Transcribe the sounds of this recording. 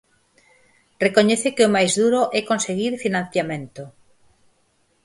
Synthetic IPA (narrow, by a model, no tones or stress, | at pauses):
rekoɲɛθekɪomajzðuɾoʔɛkonseɣiɾfinãn̟θjamẽnt̪o